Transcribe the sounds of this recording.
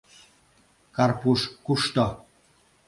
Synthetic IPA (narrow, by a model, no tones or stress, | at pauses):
karpuʃkuʃt̪ɔ